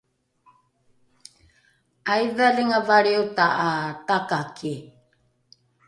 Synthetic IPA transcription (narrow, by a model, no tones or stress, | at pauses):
ajvaliŋavaɾiutaʔatakakʰi